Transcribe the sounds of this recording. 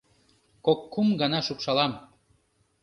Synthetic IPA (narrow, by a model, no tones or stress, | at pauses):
kokːumɡɑnɑʃukʃɑlɑm